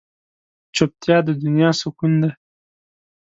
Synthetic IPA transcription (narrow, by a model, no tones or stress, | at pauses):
t͡ʃop̚t̪jɑd̪əd̪unjɑsukund̪e